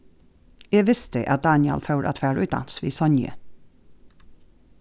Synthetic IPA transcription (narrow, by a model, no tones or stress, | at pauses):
eːʋɪst̪əʔɑt̪̚d̪ɑːnɪɑ̰lfɑʊɾʔɑ̰t̪ʰfæːɹʉːt̪̚d̪ɑ̰nsʋḭːsɔnjə̰